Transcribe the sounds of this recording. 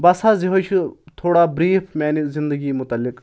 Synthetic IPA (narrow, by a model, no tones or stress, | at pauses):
bɐsaːziɦot͡ʃʰit̪ʰoːɽaːbɾiːpʰmɛːnizɪnd̪əɡiːmʊt̪ɐlːɪk